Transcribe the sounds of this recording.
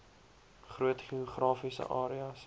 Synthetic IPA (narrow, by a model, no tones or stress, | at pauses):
χruətχioχrɑːfisə̰ʔɑːɾiɐs